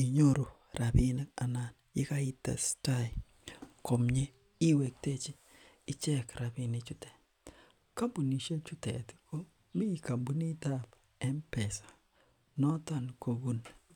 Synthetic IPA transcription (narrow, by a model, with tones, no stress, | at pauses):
i˨ɲo˦ɾo˨ | ɾa˨bi˦ne˦ka˨na˨njɪ̰˦ka˦i˦ta̰˨sta˦j | ko˨mɲe˦ | i˦we˨k̚te˦t͡ʃiː˦˨ | t͡ʃɛ˦kɾa˨bi˨ne˨t͡ʃʊ˦tɛ̥˨t | ka˦mbu˨ni˨ʃe˦t͡ʃu˦tɛ̰˨tko˦ | mi˦˨ka˨mbu˦ni˦ta˦˨p | ɛ˦mpɛ˨sḁ˨ | nɔ˦ta˨nko˨bu˦n